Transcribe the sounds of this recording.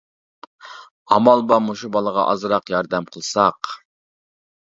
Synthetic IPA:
ɑmɑlˠbɑmuʃubɑlˠəʁɑ̰ʔɑ̰zɾɑqjɑɾd̪ɛmqʰəlˠsɑq

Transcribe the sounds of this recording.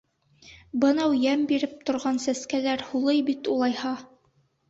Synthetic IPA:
bɤ̆nɑwjæmbiɾɘp̚t̪ŏɾʁɑnsæskælæɾhulˠɤjbit̪ulˠɑjhɑ

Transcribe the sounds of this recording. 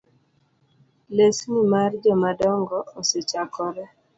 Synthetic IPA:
lesnimard͡ʒɔmadɔŋɡɔoset͡ʃakɔɾɛ

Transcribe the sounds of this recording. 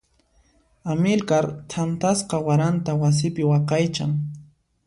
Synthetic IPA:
amɪlkaɾt̪ʰant̪asqɑwaɾant̪awas̬ɪpɪwɑqɑjt͡ʃa̰ŋ

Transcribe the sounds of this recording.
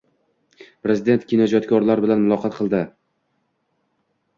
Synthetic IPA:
pɾezɪd̪e̞nt̪kʲʰinɒd͡ʒɒt̪kʲʰɒɾlaɾbɪlanmʊlˠɒqʰɑt̪qʰɨlˠd̪ɪ

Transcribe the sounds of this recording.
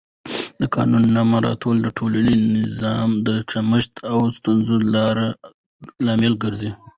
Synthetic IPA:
d̪əkɑ̰nunːamaɾɑ̰t̪ʰold̪əʈʰoləlinɪzɑmd̪ət͡ʃaməʃt̪ʰawst̪unzulɑɾa | lɑmɪlɡəɾzi

